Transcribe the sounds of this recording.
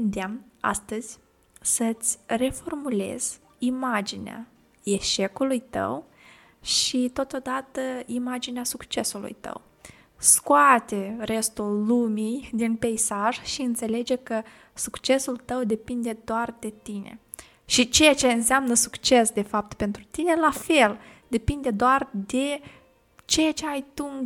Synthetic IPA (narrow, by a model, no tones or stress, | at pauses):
nd̪eama̰st̪əz̥ʲ | sət̪sʲre̞fo̞rmule̞̰z̥ʲ | imad͡ʒinḛa̰ | e̞ʃe̞kulujt̪ə̰w | ʃit̪o̞t̪od̪at̪əimad͡ʒineasukt͡ʃe̞sulṵjt̪ə̰w | skoat̪ere̞st̪ulːumijd̪inpe̞isaʒ̥ʃiɨnt̪se̞le̞d͡ʒe̞kə | sukt͡ʃe̞sult̪əwd̪e̞pind̪e̞d̪oard̪e̞t̪inḛ | ʃit͡ʃejat͡ʃe̞ɨnseamnəsukt͡ʃe̞sd̪e̞fap̚t̪pe̞nt̪ɾut̪ine̞lafe̞ld̪e̞pind̪e̞d̪oard̪e̞ | t͡ʃejat͡ʃe̞ajt̪u